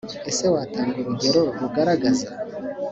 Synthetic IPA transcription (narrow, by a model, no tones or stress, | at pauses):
e̞se̞waːtʰaːŋɡuɾuɟe̞ɾo̞ɾuɡaɾaɡaza